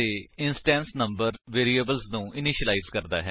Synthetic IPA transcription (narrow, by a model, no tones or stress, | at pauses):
eɪnsʈɛ̃ːnsnə̃mbəɾʋeːɾiːeːbəlsnũːʔɪnɪʃəlaizkəɾd̪a̰ːɦɛ